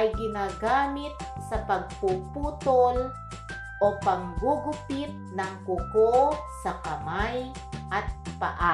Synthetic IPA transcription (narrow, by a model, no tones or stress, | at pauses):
ʔajɡɪnaːɡaːmɪt̪̚sɐpɐɡ̚pupuːt̪ol | ʔopaŋɡuɡʊpɪt̪̚nɐŋkʊkosɐkɐmaj | ʔat̪̚paʔa